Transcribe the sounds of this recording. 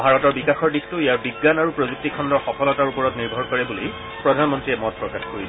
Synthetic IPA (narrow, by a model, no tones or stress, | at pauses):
bʱaɹɔtɔɹbikaxɔɹdixtʊijaɹbiɡːanaɹupɹozuk̚tikʰɔndɔɹxɔkʰɔlɔtaɹupɔɹɔtniɹbʱɔɹkɔɹɛbulij | pɹɔdʱanmɔntɹiɛmɔt̚pɹɔkatkoɹi